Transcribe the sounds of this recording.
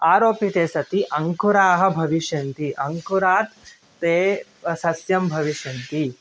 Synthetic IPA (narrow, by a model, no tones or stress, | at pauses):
aːɾoːpit̪eːsɐt̪iʔɐŋkuɾaːɦɐ̆bʱɐʋiʃjɐnt̪iʔɐŋkuɾaːt̪ː | eː | sɐsjɐmbʱɐʋiʃjɐnt̪i